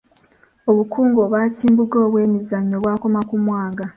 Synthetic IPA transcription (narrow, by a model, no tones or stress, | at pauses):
oβukuːŋɡo̞βaːciːmbuɡo̞ːβwe̞ːmizaɲoβwaːko̞makumwaːɡa